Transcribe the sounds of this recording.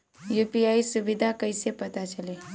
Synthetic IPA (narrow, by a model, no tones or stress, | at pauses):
jupiaisubid̪ʱakəjsepət̪at͡ʃəle